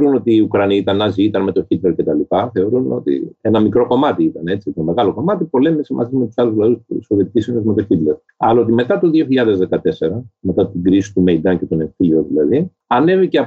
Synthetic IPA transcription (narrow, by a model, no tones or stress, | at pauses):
ɾuno̞t̪iːukɾɐniit̪ɐnɐziit̪ɐnme̞t̪o̞çit̪leɾcet̪ɐlipɐθe̞o̞ɾuno̞t̪ḭe̞nɐmikɾo̞ko̞mɐt̪iit̪ɐne̞t͡siot̪nme̞ɣɐlo̞ko̞mɐt̪ipo̞le̞misimɐ̰sizmet̪u̥sɐluzlɐuspusoviet̪ic̪isionezme̞t̪o̞çit̪leɾ | ɐlɐot̪ime̞t̪ɐt̪o̞ðioçiʎɐðe̞zðe̞kɐt̪e̞se̞ɾɐme̞t̪ɐt̪iɡɾisi̥t̪umeid̪ɐnce̞t̪one̞ɱθilioðilɐði | ɐne̞viceɐ